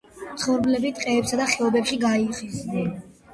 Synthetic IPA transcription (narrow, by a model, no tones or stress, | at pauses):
t̪sʰχɔɾblɛbit̪ʼqʼɛːpsad̪aχɛɔbɛpʃiɡaiχiznɛn